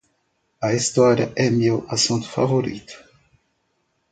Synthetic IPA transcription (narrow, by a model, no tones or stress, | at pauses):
ɐist̪ɔɾjɐ̰ʔɛmewasũt̪ʊ̥fa̰voɾḭt̪ʊ̥